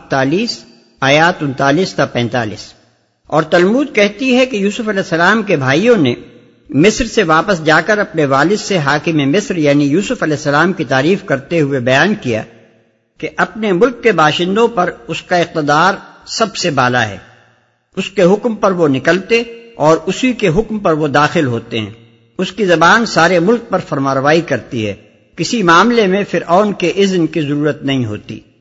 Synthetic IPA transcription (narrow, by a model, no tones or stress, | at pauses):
t̪aːliːs | aːjaːt̪ʊ̃nt̪aːliːsd̪apɛ̃ːnt̪a̰ːlḭːs | ɔːɾt̪ɐlmuːd̪̚kɛɦt̪iɦɛkejuːsʊfɐlɛːsɐlaːmkebʱaːijõne | mɪsɾseʋaːpəsd͡ʒaːkɐɾɐpneʋaːlɪsːeɦaːkɪmemɪsɾjaːnijuːsʊfɐlɛːsːɐlaːmkit̪aːɾiːfkɐɾt̪eɦʊebɐjaːnkija̰ | keʔɐpnemʊlkːebaːʃɪ̃nd̪õpɐɾʊskaɪq̚t̪ɪd̪aːɾsɐbsebaːlaɦɛ̰ː | ʊskeɦʊkmpɐɾʋonɪkəlt̪eɔːɾʊsikeɦʊkmpɐɾʋod̪aːxɪlɦoːt̪eɦɛ̰̃ː | ʊskizɐbaːnsaːɾemʊlk̚pɐɾfɐɾmaːɾʋaːikɐɾt̪iɦɛ̰ː | kɪsimaːmlemẽfɪɾɔːnkeʔɪznkizɐɾuːɾət̪nɐɦĩɦo̰ːt̪ḭː